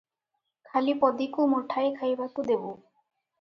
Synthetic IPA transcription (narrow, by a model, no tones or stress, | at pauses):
kʰalipɔd̪ikumɔʈʰaekʰajbakud̪ebu